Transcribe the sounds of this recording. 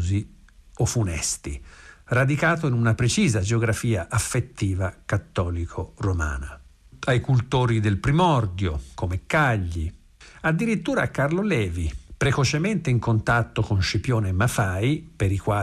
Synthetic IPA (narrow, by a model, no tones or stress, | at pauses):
zi | ofunɛst̪ḭrad̪ikaːt̪̬oinunapɾet͡ʃiːzad͡ʒeoɡɾafiːaʔafːet̪ːiːvakat̪ːɔːlikʰoroma̰ːna | ajkult̪oːɾid̪elpɾimɔrd̪jokomekːaʎːi | ad̪ːiɾit̪ːuːɾaːkːarlolɛːvipɾekot͡ʃement̪eiŋkont̪at̪ːokonʃipjoːnemːafaːjpeɾikwaː